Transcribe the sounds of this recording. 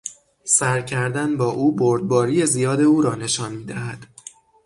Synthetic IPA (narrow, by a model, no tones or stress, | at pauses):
sæɾcʰæɾd̪ænbɒːʔuːboɾd̪̚bɒːɾiːjezijɒːd̪e̞uːɾɒːne̞ʃɒːnmiːd̪æhæd̪̥